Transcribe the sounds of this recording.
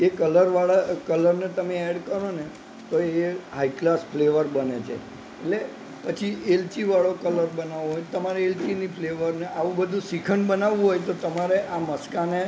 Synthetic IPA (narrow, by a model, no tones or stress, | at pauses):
ekələɾʋaɭakələɾnet̪əmeɛɽkəɾone | t̪oeɦaiklasfleʋəɾbənet͡ʃʰḛ | ele | pət͡ʃʰiʔelt͡ʃiʋaɭokələɾbənaʋõɦojt̪əmaɾeelt͡ʃinipleʋəɾneʔaʋũbəd̪ʱũsikʰənbənaʋũɦojt̪ot̪əmaɾeʔaməskane